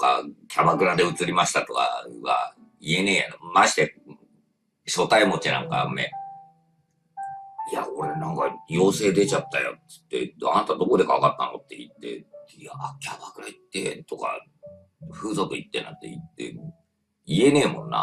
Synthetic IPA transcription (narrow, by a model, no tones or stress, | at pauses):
t̪oka̰kʲʰabakɯ̟ɾad̪eɯ̟t͡sɨɾʲimaɕi̥t̪at̪o̞ka̰ɡa̰ | ie̞ne̞ːjanmaɕi̥t̪e | ɕo̞t̪aimo̞t͡ɕinã̰ŋka̰mːḛ | ia̰o̞ɾe̞nãŋkajo̞ːse̞ːd̪e̞t͡ɕat̪ːajo̰tɨ̥t̪ːe̞̰a̰nat̪ad̪o̞ko̞d̪e̞kaβakat̪ːano̞̰t̪ːeit̪ːe̞̰jakʲʰabakɯ̟ɾait̪ːet̪o̞ka̰ | ɸɯ̟ːzot̪oit̪ːena̰t̪ːeḭt̪ːe̞̰ | ie̞ne̞ːmõ̞nːa̰